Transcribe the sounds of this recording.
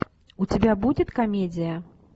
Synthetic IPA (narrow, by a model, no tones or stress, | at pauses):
ut͡sʲabʲabud͡zʲɛt̪kamʲed͡z̪ʲijɐ